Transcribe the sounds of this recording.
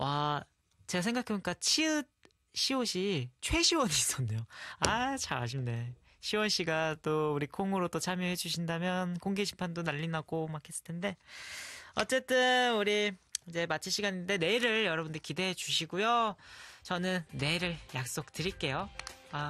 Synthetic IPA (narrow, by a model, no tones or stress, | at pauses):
wa | t͡ɕe̞ɡasʰeŋɡakʰeboɲik͈at͡ɕʰiɯt̚ | ɕʰioɕʰit͡ɕʰwe̞ɕʰiwʌɲiːs͈ʌnːejoat͡ɕʰaaɕ̬ʰimne̞ | ɕʰiwʌnɕ͈iɡat͈ouɾikʰoŋɯɾot͈ot͡ɕʰamjoɦe̞d͡ʑuɕ̬ʰindamjʌnkoŋɡeɕʰimpʰandonaʎːinaɡ̥omakʰe̞s͈ɯ̥ɭtʰende̞ | ʌ̰t͡ɕ͈e̞t͈ɯnuɾiid͡ʑe̞mat͡ɕʰiɕʰiɡaɲinde̞ne̞iɾɯɭjʌɾʌbundɯɾikide̞ɦed͡ʑuɕʰiɡujo | t͡ɕʌnɯnːe̞ɾɯɭjak̚s͈ok̚tɯɾiɭk͈e̞joa